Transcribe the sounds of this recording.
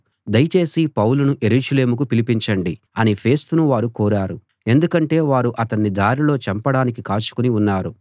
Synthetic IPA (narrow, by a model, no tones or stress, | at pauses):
d̪ɐjɐt͡ʃe̞ːsipɐwulunuʔe̞ɾuːʃɐle̞ːmuk̬upilipiɲt͡ʃɐɳɖi | ɐnipʰe̞ːst̪unuʋaːɾukɔːɾaːɾu | e̞nd̪ukɐɳʈe̞ːʋaːɾuʔɐt̪ɐnːid̪aːɾilo̞ːt͡ʃɐmpɐɽaːnikikaːt͡ʃu̥kuniunːaːɾu